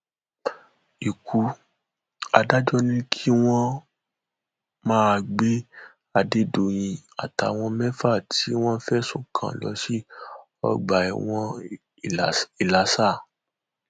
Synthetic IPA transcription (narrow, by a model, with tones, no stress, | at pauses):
i˨kʰu˨˦ | a˧da˦d͡ʒɔ˦nĩ˦kʰi˦w̃ɔ̃˦ | mãː˦˧ɡ͡be˦ | a˧de˦do˨j̃ĩ˧a̰˨ta˨˦˧w̃ɔ̃˧mɛ̃˦fa˦˨ti˨˦w̃ɔ̃˦fɛ˦sũ˨kʰã̰˨lɔ̰˨˦ʃi˦ | ɔ̰˧ɡ͡ba˨ḭ˨w̃ɔ̃˧˨ | i˨la˨˦sa˦˨